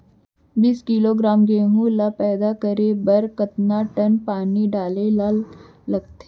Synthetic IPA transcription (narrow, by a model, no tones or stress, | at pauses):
biːskiloɡɾaːmɡeːɦũlapɛːd̪akəɾebɐɾkɐt̪naʈɐnpaːniɖaːlelaːlː | ɐɡt̪ʰeː